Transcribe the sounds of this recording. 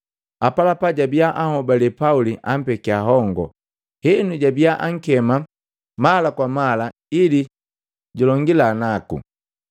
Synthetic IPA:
apalapaɟabiaʔahɔbalɛpauliʔam̩pɛkiaɦɔŋɡɔ̰ | hɛnuɟabiaʔaŋ̩kɛma | malakwamala | ili | ɟulɔŋɡilanakṵ

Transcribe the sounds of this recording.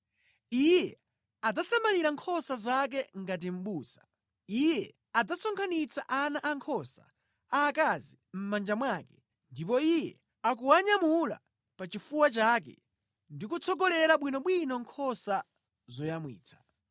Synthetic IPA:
ijɛ | ad͡zasamaliɾaŋkʰɔsazak̬ɛŋɡat̬im̩ɓuːsḁ | ijɛ | ad͡zasɔŋkʰanit͡sʰa̰ʔanaʔaŋkʰɔsa̰ | aːkazim̩mand͡ʒamwaːkɛ | ndipɔijɛ | ak̬uwaɲamula̰ | pat͡ʃifuwat͡ʃakɛ̰ | ndikut͡sʰɔɡɔlɛɾaɓwinɔɓwinɔŋkʰɔsa | zɔjamwḭːt͡sʰḁ

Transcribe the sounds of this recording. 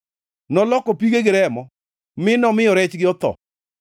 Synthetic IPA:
nɔlɔkɔpiɡeɡɪɾɛmɔ | mɪnɔmɪjɔɾɛt͡ʃɡɪɔt̪ɔ̰

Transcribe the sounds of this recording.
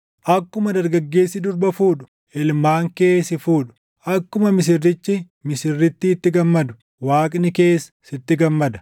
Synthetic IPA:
ʔɐkːʊmɐd̪ɐɾɡɐɡːe̞ːsːɪd̪ʊɾbɐfuːᶑʊ̥ | ɪlmaːŋke̞ːsɪfuːᶑʊ̥ | ʔɐkːʊmɐmɪs̬ɪrːɪt͡ʃːɪ | mɪsɪrːɪt̪ːɪːt̪ːɪɡɐmːɐd̪ʊ̥ | waːkʼnɪke̞ːssɪt̪ːɪɡɐmːɐd̪ɐ̥

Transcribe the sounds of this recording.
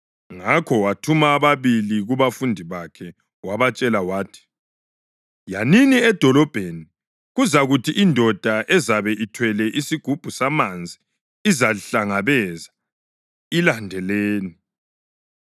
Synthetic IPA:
ŋakʰɔwatʰumaːβaβiliɣuβafundʱiβakʰɛ | waβat͡ʃʼɛlawaːtʰi̥ | janiniɛd̥ʱɔlɔb̥ʱeni | ɣuzaɣutʰiʔindʱɔd̥ʱaʔɛzaβɛʔitʰwɛlɛʔisiɡ̥ʱub̥ʱusamand͡zʱi | izaɬaŋaβɛza | ilandʱɛleːni

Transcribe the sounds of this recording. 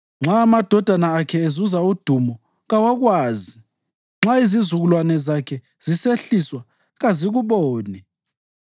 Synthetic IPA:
ŋ͡ǁaːmad̥ʱɔd̥ʱanaːkʰɛezuzaud̥ʱumɔ | ɣawaɣwaːzi | ŋ͡ǁaizizuɣulwanɛzakʰɛ | z̥iseɬiswa | ɣaziɣuβɔːnɛ

